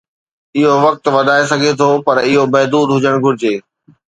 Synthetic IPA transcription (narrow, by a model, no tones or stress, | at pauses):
ɪɦoʋɐk̚t̪ʋɐd̪ʱaːesɐɡʱet̪ʰopɐɾɪɦomɛɦd̪uːd̪ɦʊd͡ʑəɽ̃ɡʱʊɾɪd͡ʑeː